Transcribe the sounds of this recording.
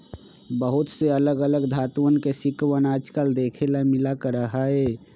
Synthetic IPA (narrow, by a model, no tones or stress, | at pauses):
bəɦʊt̪seələɡələɡd̪ʱaːt̪wənkesɪkwənaːd͡ʒkəld̪eːkʰelamɪlakəɾəɦaɛː